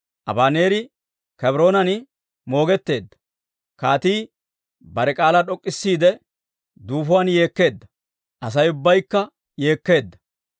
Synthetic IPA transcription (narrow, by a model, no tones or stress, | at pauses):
ʔɐ̰baːne̞ːɾɪ | kɐbɾo̞ːnɐnɪ | mo̞ːɡɛt̪ːe̞ːd̪ːɐ̥ | kaːt̪iː | bɐɾɛkʼaːlaɗɔkʼːɪsːiːd̪ɛ | d̪uːfʊwaːnje̞ːkːe̞ːd̪ːɐ | ʔɐs̬ɐjʊbːɐjkːɐ | je̞ːkːe̞ːd̪ːɐ̥